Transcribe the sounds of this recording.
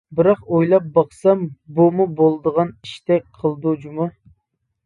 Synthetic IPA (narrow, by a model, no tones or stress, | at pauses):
bɨɾɑqojlˠɑp̚bɑχsɑmbumubolˠd̪əʁɑniʃt̪ʰɛk̚ʲqʰəlˠd̪ud͡ʒumu